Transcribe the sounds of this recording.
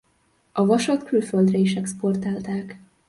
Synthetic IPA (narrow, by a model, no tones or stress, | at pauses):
ɒvɒʃɒt̪kylføld̪rɛiʃɛkspo̞rt̪aːlt̪aːk